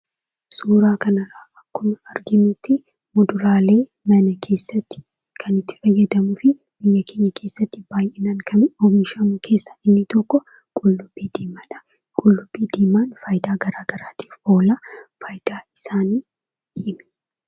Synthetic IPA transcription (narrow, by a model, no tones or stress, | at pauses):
suːɾaːkɐnɐrːaːʔɐkːʊmɐɐɾɡɪnʊt̪ːɪ | mʊd̪ʊɾaːle̞ː | mɐnɐkʰe̞ːsːɐt̪ːɪ̥ | kʰɐnɪt̪ːɪ̥fɐjːɐd̪ɐmʊfɪ | b̥ɪjːɐkʰeːɲːɐkʰe̞ːsːɐt̪ːɪb̥aːjʔɛnaŋkʰɐoːmɪʃɐmʊkʰe̞ːsːɐ̥ɪnːɪt̪ɔkːɔ | kʼʊlːʊb̥iːd̪iːmɐᶑɐ | kʼʊlːʊb̥ːiːd̪iːmaːnfɐjd̪aːɡɐɾaːɡɐɾaːt̪i̥ːfoːlaːfɐjd̪̥aːɪsaːniː | diːm